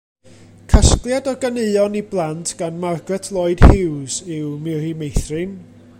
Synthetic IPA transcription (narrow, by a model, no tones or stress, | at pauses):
kʰəsklˠjadɔɡaneɨɔniblˠantʰɡ̥anmarɡrɛtʰlˠoɨd̥hɪwsɪwmɪrimejθrɪn